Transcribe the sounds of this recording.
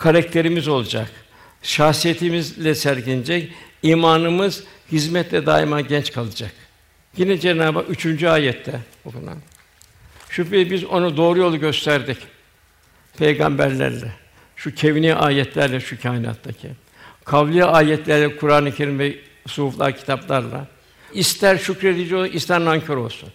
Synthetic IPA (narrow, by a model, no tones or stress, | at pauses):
kʰaɾak̚t̪ʰe̞ɾimizo̞lˠad͡ʒak | ʃahsijet̪ʰimizlʲɛsæɾɟinid͡ʒɛciːmaːnɯmɯzhizmɛt̪lʲɛd̪a̰ːimaɟɛnt͡ʃkʰalˠɯd͡ʒak | jinɛd͡ʒenaːbayt͡ʃʰynd͡ʒyaːjɛt̪ʰːɛ | okṵna̰ | ʃupejibizo̞nud̪o̞ːɾujo̞lˠuɟø̞st̪ʰæɾd̪ic | pʰejɡa̰mbæ̰ɾlʲæ̰ɾlʲɛ | ʃucʰeviniʔaːjɛt̪ʰlʲæɾlʲɛʃucʰaːjina̰t̪ʰːacʰḭ | kʰavlʲˠijaʔaːjɛt̪lʲæɾlʲɛkʰuɾaːnɯicʰe̞ɾimvɛ | suuflˠa̰ɾcʰi̥t̪ʰaplˠaɾlˠa̰ | ist̪ʰæɾʃucɾed̪id͡ʒioʔist̪ʰæɾnaɲcʰoɾo̞lˠsṵn